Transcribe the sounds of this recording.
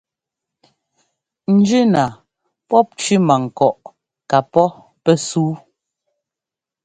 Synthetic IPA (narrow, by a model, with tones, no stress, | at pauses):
n̩˨˦d͡ʒʉ˦na˨ | pɔ˦p̚t͡ʃi˦ma˨ŋ̩˨kɔ˨ʔ | ka˨pɔ˦ | pɛ˦suː˦